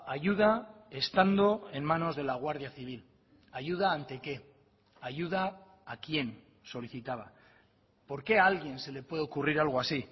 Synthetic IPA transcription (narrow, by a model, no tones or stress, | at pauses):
aʝuð̞ae̞st̪and̪o̞e̞nmano̞zð̞e̞laɣ̞waɾðiaθiβ̞il | aʝuð̞aːnt̪e̞ke̞ | aʝuð̞aː | kje̞n | so̞liθit̪aβ̞a̰ | po̞ɾke̞alɣje̞nse̞le̞pwe̞ð̞eokuriɾalɣ̞oasi